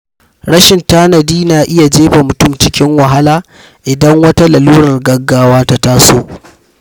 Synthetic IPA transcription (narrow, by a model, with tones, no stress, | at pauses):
ɽɐ˦ʃɪ˨ntaː˦nɐ˨diː˦naː˨ʔɪ˦ja˨d͡ʒeː˦ba˨mʊ˨tʊ˦mt͡ʃɪ˦kʲɪ˦ŋwɐ˨ɦa˦laː˦ | ʔɪ˨dɐ˦ŋwɐ˦ta˦lɐ˨luː˦ɾɐ˨rɡɐ˦ɡːaː˦waː˦ta˦ta˦soː˦ʔ